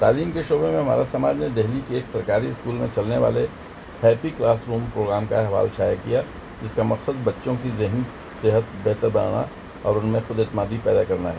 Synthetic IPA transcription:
t̪aːliːmkeʃoːbemẽɦɐma̰ːɾasɐmaːd͡ʒned̪ɛɦlikeːksɐɾkaːɾiɪskuːlmẽt͡ʃɐlneʋa̰ːle | hɛːpiklaːsɾuːmpɾoːɡɾaːmkaɦʋa̰ːlʃaːjakija | d͡ʒɪskamɐqsəd̪bɐtːʃõkizɪɦni | sɪɦət̪̚bɛɦt̪əɾbɐna̰ːɽa̰ | ɔːɾʊnmẽxʊd̪et̪ɪmaːd̪ipɛːd̪akɐɾnaɦɛː

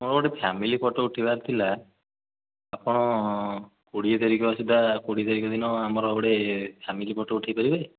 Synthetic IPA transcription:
mɔɾɔbɔɽepʰamilipɔʈɔuʈʰibaɾt̪ʰila | pɔɽ̃ɔ | kuɽiet̪aɾikɔasid̪akuɽiet̪aɾikɔd̪inɔamɔɾɔbɔɽepʰjamilipɔʈɔuʈʰijpaɾibaj

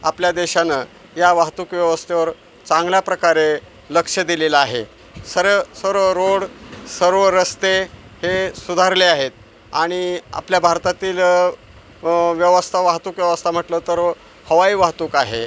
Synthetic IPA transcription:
apljad̪eɕana | jaʋaɦt̪uːkʋjəʋəst̪ʰeʋəɾ | t͡sãŋɡljapɾəkaɾe | ləkʂəd̪ilelaaɦe | səɾsəɾʋəɾoɽsəɾʋəɾəst̪ehesud̪ʱaɾleaɦet̪̚ | aɽ̃ia̰pljabʱaɾt̪at̪iːl | ʋjəʋəst̪ʰaʋaɦt̪uːkʋjəʋəst̪ʰam̤əʈlət̪əɾ | həʋaiːʋaɦt̪uːkaɦe

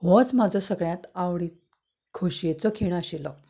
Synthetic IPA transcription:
ʋɔt͡smad͡zʱɔsəɡɭjãt̪awɽi | kʰoɕjet͡sɔkʰiɽ̃aɕilɔ

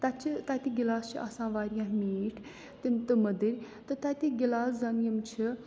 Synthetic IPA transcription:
t̪ɐt͡ʃʰit̪at̪iɡilaːst͡ʃʰia̰sãːʋaːɾjaːɦmiːʈʰ | t̪imt̪ɨmɐd̪əɾʲ | t̪ɨt̪at̪iɡilaːszɐnjɐmt͡ʃʰi

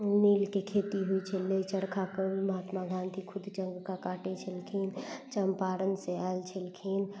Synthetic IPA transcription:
niːlkekʰeːt̪iɦuit͡ʃʰəlet͡ʃəɽkʰakənməɦaːt̪maɡʱãːnd̪ʱikʰʊd̪t͡ʃə̃ŋɡkakaːʈet͡ʃʰəlkʰiːnt͡ʃəmpaːɾənseaelt͡ʃʰəlkʰin

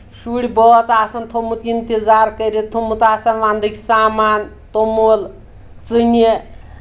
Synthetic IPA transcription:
suɽʲibɔt͡saːsɐnt̪ʰomut̪int̪id͡zaːɾkəɾet̪ʰomut̪aːsɐnʋand̪ɨkʲʰsaːman | t̪omol | t͡sɨnje

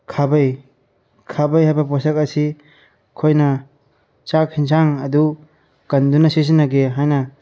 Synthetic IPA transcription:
kʰabɐj | kʰabɐjɦajbɐpɔsɐkɐsi | kʰojnɐ | t͡ʃak̚hins̬aŋɐdu | kɐndunɐsis̬inːɐɡeɦajnɐ

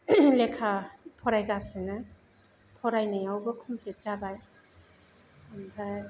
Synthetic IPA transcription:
lekʰapʰɔɾajɡasɯnɯ | pʰɔɾajnɯjawbɐkʰɔmpʰlet̚t͡ʃabaj | anba

